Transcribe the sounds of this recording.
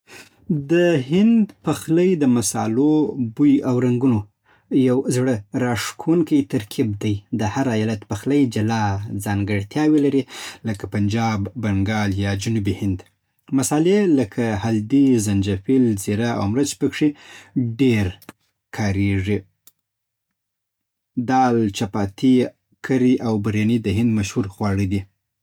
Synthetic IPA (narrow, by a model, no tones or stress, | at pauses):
d̪əhɪnd̪paxlajd̪əmasɑ̰lobujawɾaŋɡuno | jawzɽəɾɑʂkʰawunkajt̪aɾkʰib̚d̪ajd̪əhaɾajɑlat̪paxlajd͡ʒalɑzɑŋɡəɽt̪jɑwelaɾiləkapand͡ʒɑbːaŋɡɑljɑd͡ʒunubihɪnd̪ | masɑleləkʰahald̪izand͡ʒafilzeɾaa̰wmɾət͡ʃpəkʂiɖeɾ | kʰɑɾeʐi | d̪ɑlt͡ʃapɑt̪i | kʰaɾiʔawbaɾjanid̪əɦɪnd̪maʃhuɾxwɑɽid̪i